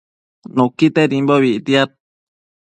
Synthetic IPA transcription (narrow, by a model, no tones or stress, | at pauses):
nũkit̪eɾimboβiʔt̪iat̪̚